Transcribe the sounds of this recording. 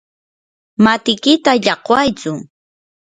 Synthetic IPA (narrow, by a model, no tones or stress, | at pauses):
mat̪ɪkɪt̪aʎɑqwajt͡sʊ